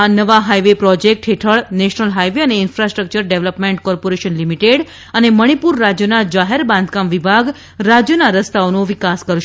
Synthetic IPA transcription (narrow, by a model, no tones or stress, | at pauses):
anəʋaɦaiʋepɾɔd͡ʒek̚ʈɦeʈʰəɭneʃnəlɦajʋeəneɪnfɾasʈɾək̚t͡ʃəɾɖeʋləpmẽɳʈkɔɾpoɾeʃənlimiʈeɖ | əneməɽ̃ipuɾːad͡ʒjənad͡ʒaɦeɾbãnd̪ʱkamʋibʱaɡ | ɾad͡ʒjənaɾəst̪aonõʋikaskəɾʃ